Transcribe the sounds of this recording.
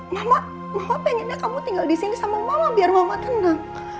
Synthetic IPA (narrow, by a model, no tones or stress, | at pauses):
lahla | mahlapɛɲanakamut̪iŋɡaldisinisamamalabiarmamat̪ənaŋ